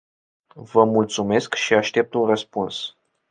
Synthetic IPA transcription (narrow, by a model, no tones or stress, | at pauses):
vəmult̪sume̞skʃiaʃt̪e̞p̚t̪unrəspuns